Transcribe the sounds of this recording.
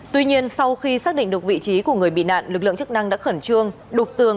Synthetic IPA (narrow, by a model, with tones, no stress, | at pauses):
t̪wi˧ɲi˧ənsa˧wxi˧saː˦˥ɗḭ˧˨ŋ̟ɗɨ˨˩ək̚vḭ˧˨t͡ɕi˨˦ku˧˩əŋɨ˨˩əjɓḭ˧˨na̰ː˧˨nlɨ˨˩k̚lɨ̰˧əŋt͡ɕɨ˦˥k̚na˧ŋɗa̰ː˧˥xə˧˩nt͡ɕɨ˧əŋ | ɗʊ˨˩k͡p̚t̪ɨ˨˩əŋ